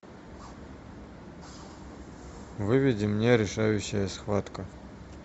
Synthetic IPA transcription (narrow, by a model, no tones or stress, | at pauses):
vɨvʲɪdʲimnʲeɾʲɪʂajʊɕːɐjɐsxvat̪kʼɐ